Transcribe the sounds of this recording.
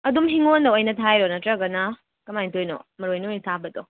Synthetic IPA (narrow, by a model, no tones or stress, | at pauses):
ɐdumɦiŋondɐwɐjnɐtʰajɾonɐtɾɐɡɐnɐ | kɐmajntojno̰mɐɾojnontʰabɐto